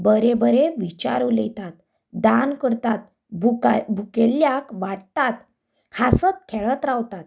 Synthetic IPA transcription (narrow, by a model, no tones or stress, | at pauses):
bəɾebəɾeʋit͡ɕa̰ɾulḛt̪at̪ | d̪ankəɾt̪at̪̚ | bbʱukeljakʋaɽt̪at̪ | kʰasət͡skʰeɭət̪ɾaʋt̪at̪̚